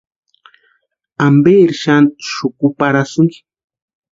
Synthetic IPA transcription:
ambeːɾʃant̪ʃʊkʊpaɾasʊŋki̥

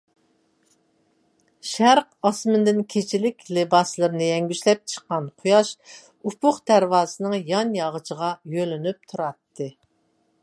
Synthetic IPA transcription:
ʃæɾqɑsmɨnd̪ɪnkʲʰet͡ʃʰilɪkʲlɪbɑslˠɨɾɨnɨjɛŋɡʲyʃlɛp̚t͡ʃʰə̥qːɑnqʰʊjɑʃ | upʰʊχd̪æɾwɑːsɨnɨŋjɑnjɑʁət͡ʃʰəʁɑjølynyp̚t̪ʰuɾɑt̪ːɨ

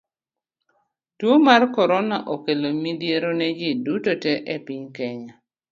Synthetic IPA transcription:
twomarkɔɾɔnaʔokelomidjeɾonɛd͡ʒɪdutoteʔepiɲkɛɲa

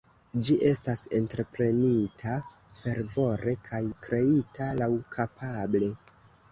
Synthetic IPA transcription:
d͡ʒiʔe̞stase̞ntɾe̞pɾe̞nitʰa | fe̞ɾvo̞ɾe̞kʰajkɾe̞italawkʰapʰable̞

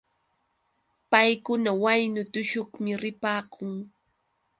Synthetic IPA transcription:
pajkʊnawajnʊt̪ʊʃoχmɪɾɪpaːkʰʊŋ

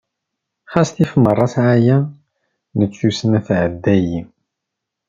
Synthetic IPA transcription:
χæsθifmərˤːɑsʕajæ | nət͡sːusənæθʕəd̪ːæji

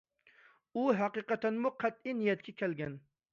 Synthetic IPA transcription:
uɦæqɨqɑt̪ʰænmuqʰæt̪̚inijɛt̪̚kʲʰɛkʲʰælɡʲɛn

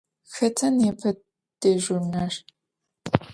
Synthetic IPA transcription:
xɐtʰɐnepʰɐ | d̥eːʒunɐr

